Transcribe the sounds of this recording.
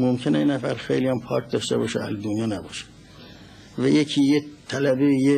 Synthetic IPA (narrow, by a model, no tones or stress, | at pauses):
momcʰeneinæfæɾxejliæmpʰɒːɾk̚ʰd̪ɒʃt̪ebɒːʃeæ̰ld̪onjɒːnæbɒʃe̥ | væjecʰiːjet̪ʰælæbejje